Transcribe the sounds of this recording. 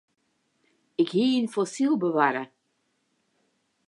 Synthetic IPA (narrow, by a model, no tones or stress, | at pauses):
ɪkhiːinfɔsilˠbəʋaɾə